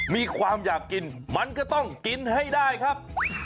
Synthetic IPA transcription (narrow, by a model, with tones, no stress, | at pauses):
miː˧kʰwaː˧mjaː˨˩kːi˧nma˧nkɔ˥˩t̪ɔ˥˩ŋki˧nha˥˩jdaː˥˩jkʰa˦˥p̚